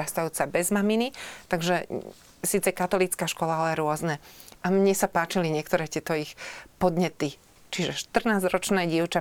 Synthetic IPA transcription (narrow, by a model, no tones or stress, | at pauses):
ast̪ajuːt͡sabɛzmaminit̪aɡʒɛ | siːt͡sɛkat̪ɔlit͡skaːʃkɔlaalɛɾʊɔznɛʔamɲɛsapaːt͡ʃiliɲɪɛkt̪ɔɾɛːt̪ɪɛt̪ɔixpɔd̪ɲɛt̪i | t͡ʃiʒɛʃt̪r̩naːzɾɔt͡ʃnɛːɟiʊt͡ʃa